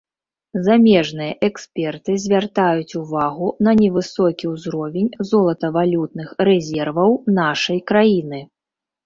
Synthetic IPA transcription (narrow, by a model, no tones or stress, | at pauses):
zamʲɛʐnɨjɐʔɛkspʲɛrt̪ɨzʲvʲart̪ajut͡sʲuvaɣunɐnʲɛvɨsɔkʲiwzɾɔvʲenʲzɔlˠɐt̪ɐvalʲut̪̚nɨxrɛzʲɛrvɐwnaʂɐjkɾajinɨ